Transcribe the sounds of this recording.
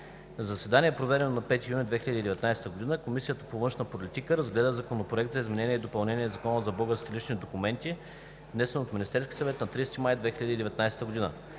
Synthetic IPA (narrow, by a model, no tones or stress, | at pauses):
nɐzɐsɛd̪aniɛpɾovɛɾɛnonɐpɛt̪ijunʲid̪vɛxʲilʲəd̪ʲid̪ɛvɛt̪najsɛ̥t̪əɡod̪inəkomisijət̪ə̥povɤnʃnəpolit̪ikəɾɐzɡlɛd̪əzɐkonopɾoɛkt̪zɐizmɛnɛniɛid̪opɐlˠnɛnʲiɛzɐkɔnəzɐbɔɡəst̪ʲilit͡ʃnid̪okumɛnt̪i | vnɛsɛnoːt̪mʲinist̪ɛɾskʲi̥sɐvɛt̪nɐt̪ɾist̪imajd̪vɛxiləd̪ʲiːd̪ɛvɛt̪najsɛ̥t̪əɡod̪inə̰